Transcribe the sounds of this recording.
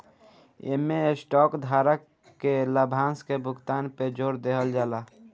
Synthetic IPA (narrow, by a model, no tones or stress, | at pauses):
ḛmesʈɔːkd̪ʱaɾəkː | eləbʱãnskebʱʊkt̪aːnped͡ʒoːɾd̪eɦəld͡ʒaːla